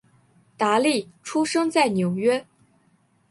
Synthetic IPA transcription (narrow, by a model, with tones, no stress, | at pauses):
t̪a˧˥li˥˩ʈ͡ʂʰu˥ʂɤ˥ŋt͡sa˥˩ɪnjo˨˩ʊɥɛ˥